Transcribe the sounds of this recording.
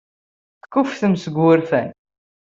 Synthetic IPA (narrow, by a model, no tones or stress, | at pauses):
θkːʊfθəmsəɡːʊɾfæn